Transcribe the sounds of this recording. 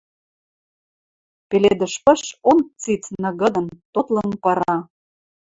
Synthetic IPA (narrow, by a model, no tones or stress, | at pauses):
peled̪ə̆ʃpə̆ʃont͡sit͡snə̆ɣə̆d̪ə̆nt̪ot̪lɤ̆npɤɾɑ